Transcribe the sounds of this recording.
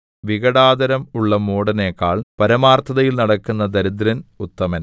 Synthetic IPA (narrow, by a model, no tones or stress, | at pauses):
ʋiɣɐɽaːd̪ɐɾɐmuɭːɐmoːɽɐneːkːaːɭpɐɾɐmaːrt̪ʰːɐðɐjilnɐɽɐkːunːɐd̪ɐɾid̪ɾɐnut̪ːɐmɐn